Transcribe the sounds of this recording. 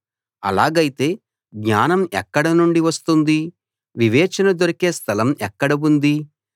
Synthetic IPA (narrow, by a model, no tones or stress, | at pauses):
ɐ̰laːɡɐjit̪e̞ː | ɡɲaːnɐmɛ̰kːɐɽɐnuɳɖiʋɐst̪und̪i | ʋiʋɛːt͡ʃɐnɐd̪oɾikeːst̪ʰɐlɐmɛkːɐɽɐund̪i